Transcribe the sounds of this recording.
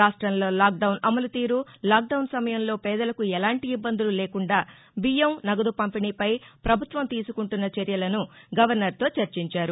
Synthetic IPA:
aːʂʈɾɐmlo̞ːlaːk̚ɖɐwnɐmɐlut̪iːɾulaːk̚ɖɐwnsɐmɐjɐmlo̞ːpɛːd̪ɐlɐkuɛlaːɳʈiːbːɐnd̪ululeːkuɳɖaː | bijɐmnɐɡɐd̪upɐmpiniːpɐjpɾɐbʱut̪ʋɐmt̪iːsukuɳʈunːɐt͡ʃɐɾjɐlɐnuɡɐʋɐɾnɐɾt̪o̞ːt͡ʃɐɾt͡ʃiɲt͡ʃaːɾu

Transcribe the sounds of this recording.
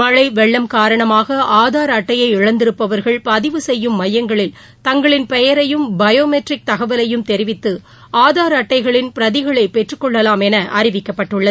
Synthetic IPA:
mɐɻɐɪʋɛɭːɐmkaːɾɐɳɐmaːɣɐʔaːðaːɾɐʈːɐjɐɪɪɻɐnd̪ɪɾɯpːɐʋɐɾɣɐɭpɐðɪʋɯsɛjːɯmːɐjɐŋɡɐɭɪl | t̪ɐŋɡɐɭɪnpɛjɐɾɐjɯmbɐjoːmɛʈrɪk̚t̪ɐɣɐʋɐlɐjɯmt̪ɛɾɪʋɪt̪ːɯ | ʔaːðaːɾɐʈːɐɪɣɐɭɪnpɪɾɐðɪɣɐɭɐɪpɛʈrɯkːɔɭːɐlaːmɛnɐʔɐɾɪʋɪkːɐpːɐʈːɯɭːɐðɯ

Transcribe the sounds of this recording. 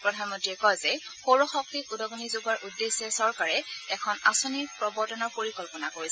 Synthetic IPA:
pɹɔdʱanmɔntɹiɛkɔjzɛxoɹɔxɔk̚tikudɔɡɔnizuɡaɹʔudːesːɛsɔɹkaɹɛɛkʰɔnasoniɹpɹɔbɔɹtɔnɔɹpoɹikɔlpɔnakoɹis

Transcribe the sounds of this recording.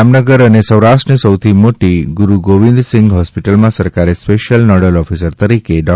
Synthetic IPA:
amnəɡəɾənesəwɾaʃʈɾənisəwt̪ʰimoʈiɡuɾuɡoʋĩnd̪sɪ̃ŋɡɦɔspiʈəlmãsəɾkaɾespeʃjəlnɔɽəlɔfisəɾt̪əɾikeɖɔ

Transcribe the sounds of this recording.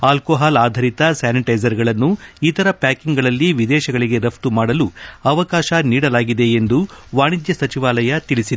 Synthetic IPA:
aːlkoːɦaːlaːd̪ʱɐɾit̪ɐsaːniʈɐjzɐɾɡɐɭɐnːuit̪ɐɾɐpaːkiŋɡɐɭɐlːiʋid̪ɛːʃɐɡɐɭiɡe̞ɾɐpt̪umaːɽɐluɐʋɐkaːʃɐniːɽɐlaːɡid̪e̞ːnd̪uʋaːɳid̪jɐsɐt͡ʃiʋaːlɐjɐt̪iɭisid̪e

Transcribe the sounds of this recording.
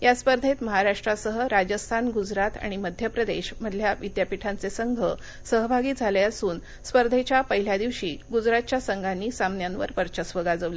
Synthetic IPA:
jaspəɾd̪ʱet̪məɦaɾaʂʈɾasəɦəɾad͡ʑəst̪ʰanɡud͡zɾat̪a̰ɽ̃iməd̪ʱjəpɾəd̪eɕm̤əd̪ʱljaʋid̪japiʈʰant͡sesəŋɡʱə | səɦbʱaɡiːd͡zʱaleəsuːn | spəɾd̪ʱet͡ɕjapəɦiljad̪iʋɕiːɡud͡zɾat̪̚t͡ɕjasəŋɡʱanːiːsamnjanʋə̰ɾpəɾt͡ɕəsʋəɡad͡zəʋle

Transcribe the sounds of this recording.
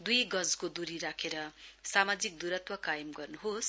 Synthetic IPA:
d̪ujɡʌd͡zkod̪uɾiɾakʰeɾʌsamad͡zik̚d̪uɾʌt̪wʌkajʌmɡʌrnuɦos

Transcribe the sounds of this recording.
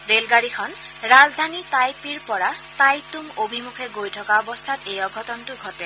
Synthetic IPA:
ɹelɡaɹikʰɔn | ɹazdʱanitajpiɹpɔɹatajtuŋobʱimukʰɛɡojtʰɔkaɔbɔstʰatejɔɡʱɔtɔntʊɡʱɔtɛ

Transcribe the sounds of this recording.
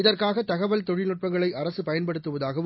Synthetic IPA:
ɪðɐrkaːɣɐt̪ɐɣɐʋɐlt̪ɔɻɪnɯʈ̚pɐŋɡɐɭɐɪʔɐɾɐsɯpɐjɐnpɐɽɯt̪ːɯʋɐðaːɣɐʋ

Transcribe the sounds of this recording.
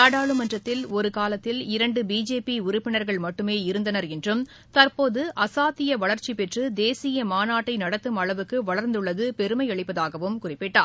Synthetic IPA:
aːɽaːɭɯmɐndrɐt̪ːɪlɔɾɯkaːlɐt̪ːɪlɪɾɐɳɖɯbiːd͡ʒeːpiʊɾʊpːɪnɐɾɣɐɭmɐʈːɯmeːɪɾɯnd̪ɐnɐɾɛndrɯm | t̪ɐɾpoːðɯʔɐsaːt̪ːɪjɐʋɐɭɐɾt͡ʃipɛʈrɯd̪eːsɪjɐmaːnaːʈːɐɪnɐɽɐt̪ːɯmɐɭɐʋɯkːɯʋɐɭɐɾnd̪ɯɭːɐðɯpɛɾɯmɐɪɐɭɪpːɐðaːɣɐʋɯmkʊrɪpːɪʈːa̰ː

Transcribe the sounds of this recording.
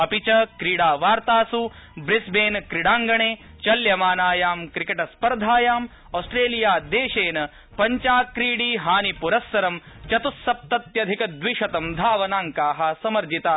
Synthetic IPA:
ɐpit͡ʃɐkɾiːɽaːʋaːɾt̪aːsu | bɾisbeːnkɾiɽaːŋɡɐɳeː | t͡ʃɐljɐmaːnaːjaːmkɾikɐʈɐspɐɾd̪ʱaːjaːm | oːsʈɾeːlijaːd̪eːʂeːnɐ | pɐɲt͡ʃaːkɾiːɽiːɦaːnipuɾɐsːɐɾɐm | t͡ʃɐt̪usːɐp̚t̪ɐt̪jɐd̪ʱikɐd̪ʋiʂɐt̪ɐmd̪ʱaːʋɐnaːŋkaːɦɐ̆sɐmɐɾd͡ʒit̪aː

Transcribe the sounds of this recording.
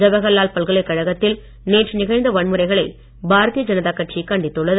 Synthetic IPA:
d͡ʒɐbɐɣɐlːaːlpɐɭɣɐɭɐɪkːɐɻɐɣɐt̪ːɪl | neːʈrnɪɣɐɪnd̪ɐʋɐɳmɯɾɐɪɣɐɭɐɪ | bʱaːɾɐt̪ijɐd͡ʒɐnɐðaːkːɐʈt͡ʃikːɐɳɖɪt̪ːɯɭːɐð

